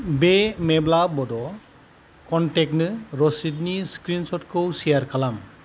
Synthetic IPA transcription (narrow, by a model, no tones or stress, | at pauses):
bemɛblabɔdɔ | kɔnʈɛk̚nɯɾɔsitniskɾinsɔtkʰɯwsijaɾkʰalam